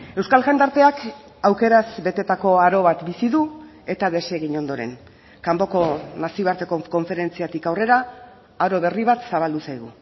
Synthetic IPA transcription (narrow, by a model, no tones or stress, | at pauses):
e̞wskalɣand̪aɾt̪e̞ak | awke̞ɾazbe̞t̪e̞t̪ako̞aɾo̞βat̪bisiðu | e̞t̪aðe̞se̞ɣiɲo̞nd̪o̞ɾe̞̰ŋ | kambo̞ko̞nasioaɾt̪e̞koko̞ɱfe̞ɾe̞nt͡siat̪ikawre̞ɾa | aɾo̞β̞e̞riβ̞at̪saβ̞ald̪usajɣṵ